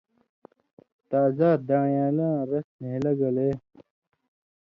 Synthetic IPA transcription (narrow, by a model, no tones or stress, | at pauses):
t̪aːzaːd̪aːɳjaːlãːɾɐsnelɐɡɐleː